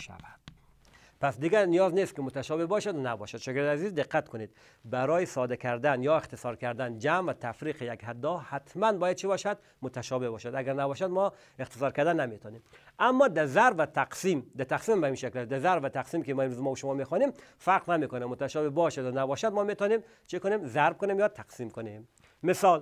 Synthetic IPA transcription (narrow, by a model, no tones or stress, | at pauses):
ʃa̰vad̪̥ | pasd̪ɪɡænijɒznest̪kɪmʊt̪aʃɔbebɒʃad̪unabɔ̰ʃad̪ʃɔɡɾd̪azizd̪ɪqːat̪kʰʊned̪ | baɾɔːjisɔd̪akʰæɾd̪anjɒːext̪ɪsɒɾkæɾd̪and͡ʒamvat̪ʰafɾiːqejakhad̪ːɔhat̪manbɔːjad̪̚t͡ʃʰibɔʃad̪ | mʊt̪aʃɔbebɔːʃad̪aɡaɾnabɔʃad̪mɔ | ext̪e̥sɒːɾkæɾd̪ænːamet̪ʰɔːnimamːɒd̪æzæɾvat̪ʰæqsimd̪æt̪ʰæqsimbæinʃeklæsd̪æzæɾvat̪ʰaqsimkʲemɔːemɾuzmɔːbʃomɔːmexɔːnimfæɾqnamekonamːʊt̪aʃɔbebɒʃad̪nabɒːʃæd̪mɔːmet̪ɔnem | t͡ʃʰikonemzæɾb̚konemjɒːt̪ʰaqsiːmkonem | mesɒl